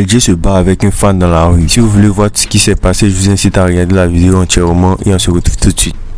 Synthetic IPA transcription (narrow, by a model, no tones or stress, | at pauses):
ɛld͡ʒesəbaːvɛkỹnfãndãlaʁysivuvulevwatu̥sə̥kisɛpaseʒɛ̃sitaʁijãd̪əlavideoãt͡ʃɛɾmãʔḛɔ̃seʁətuv̥t̪utswit̪̚